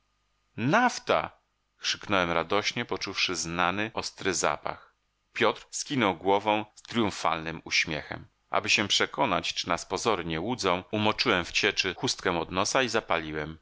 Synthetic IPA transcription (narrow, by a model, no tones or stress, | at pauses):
naft̪a̰ | xʂɘ̥knɔwɛmɾad̪ɔɕɲɛpɔt͡ʂufʂɘznanɘʔɔst̪ɾɘza̰pa̰x | pʲjɔt̪ɾskʲinɔwɡwɔvɔ̃w̃st̪ɾʲjũfa̰lnɘmuɕmʲjɛ̰xɛ̰m | ʔa̰bɘɕɛpʂɛkɔnat͡ɕt͡ʂɨnaspɔzɔɾɘɲɛwud̪zɔ̃w̃umɔt͡ʂɘwɛmft͡ɕɛt͡ʂɘxust̪̚kɛ̃ɔd̪nɔsaizapalʲiwɛm